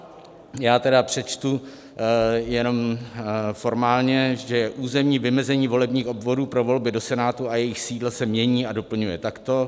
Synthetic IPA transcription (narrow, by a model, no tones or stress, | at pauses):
jaːt̪ɛdapr̝̥ɛt͡ʃt̪u | jɛno̞m | fo̞ɾmaːlɲɛʒɛjɛʔuːzɛmɲiːvɪmɛzɛɲiːvo̞lɛbɲiːxo̞bvo̞duːpɾo̞vo̞lbɪdo̞sɛnaːt̪uajɛjɪxsiːdlasɛmɲɛɲiːado̞pl̩ɲujɛt̪akt̪o̞